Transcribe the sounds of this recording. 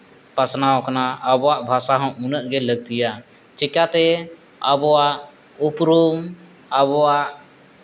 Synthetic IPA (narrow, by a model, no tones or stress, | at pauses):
pasnawkanaəbɔwaʔbʱasaɦɔ̃unəʔ̚ɡɛləɡ̚t̪ija | t͡ʃɛkat̪ɛ | əbɔwaʔ | upɾum | əbɔwaʔ